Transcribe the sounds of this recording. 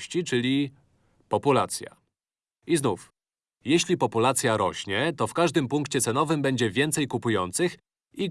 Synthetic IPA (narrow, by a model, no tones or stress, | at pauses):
ɕt͡ɕit͡ʂɘlʲi | pɔpulat̪sʲja̰ | iznuf | jɛɕlʲipɔpulat̪sʲjaɾɔ̰ɕɲɛt̪ɔfkaʐd̪ɘmpuŋkt͡ɕɛt̪sɛnɔvɘmbɛɲd͡ʑɛvʲjɛnt̪sɛjkupujɔnt̪sɘx | i